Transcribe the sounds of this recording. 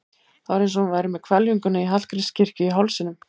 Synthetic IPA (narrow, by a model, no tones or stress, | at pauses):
θavɾejnsɔunvaːjɾɪmɛðkʰvɛljuŋkʏnaiɦal̥kɾɪ̥scʰɪr̥cʏiɦawlsɪnʏm